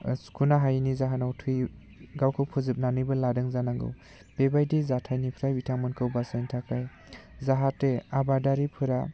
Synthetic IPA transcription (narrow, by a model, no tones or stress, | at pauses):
skʰunaɦajnizaɦanawtʰɯj | ɡawkʰɯwpʰɯzɯp̚nanɯjbɯladɯŋzanaŋɡɯ̰w | b̥ebajdizatʰajnipʰɾajbitʰaŋmɯnkʰɯwbasajntʰakaj | zaɦatːeabadaɾipʰɯɾa